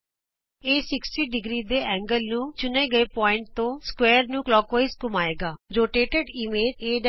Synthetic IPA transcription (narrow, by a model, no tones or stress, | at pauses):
eːsɪksʈiːɖɪɡɾiːd̪eːʔɛ̃ːŋɡəlnũːt͡ʃʊneːɡəeːpɔːɪ̃ɳʈ̚t̪õːskwɛːɾnũːklɔːkʋəiːskʊmaːeːɡaːɾoːʈeːʈeɖɪːmeːd̪eːɖ